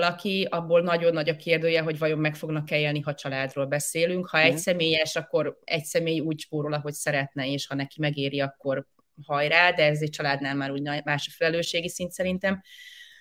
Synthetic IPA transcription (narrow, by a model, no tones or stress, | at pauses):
lɒkiɒbːoːlnɒɟo̞nːɒɟɒkeːrd̪øːjɛɦo̞ɟvɒjo̞mːɛkfo̞ɡnɒkːɛljeːlniɦɒt͡ʃɒlaːd̪roːlbɛseːlyŋkhɒɛcsɛmeːjɛʃɒkːo̞ɾɛ̰csɛmeːjuːct͡ʃpoːɾolɒɦo̞csɛɾɛt̪nɛeːʃhɒnɛkimɛɡeːɾiɒkːo̞r | hɒjraːd̪ɛɛzɛct͡ʃɒlaːd̪naːlmaːluːɟnmaːʃɒfɛlɛløːʃeːɡisint̪sɛɾint̪ɛm